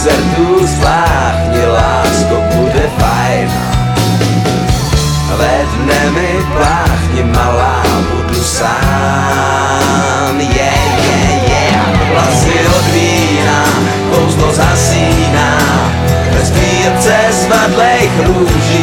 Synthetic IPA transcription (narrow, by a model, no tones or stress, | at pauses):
zɛɾd̪uslaː | xɲɪlaːskɔbudɛfa | jna̰ | lɛvnɛvɪ | plaxɲɪmalaːbudusaː | mjɛ | jɛjɛ | aɔɦlasɪɔd̪viː | na | ɔwzt̪ɔzasiː | na | ɛst̪iːɛpt͡sɛ | svat̪lɛjxɾuʒi